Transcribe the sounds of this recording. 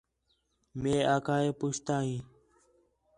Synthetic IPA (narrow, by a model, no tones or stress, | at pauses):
mẽːaːkaːeːpʊt͡ʃt̪aːɦĩː